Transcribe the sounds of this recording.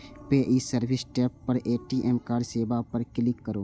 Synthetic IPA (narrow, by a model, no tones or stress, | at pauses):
peːʔisəɾbʱɪsʈeːpːəɾeːʈiʔeːmkaːɾɖseːbapəɾkɪlɪkːəɾoː